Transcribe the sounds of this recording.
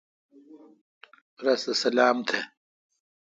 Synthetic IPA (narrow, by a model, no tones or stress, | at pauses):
ɾɐsɐsɐlaːmt̪ʰe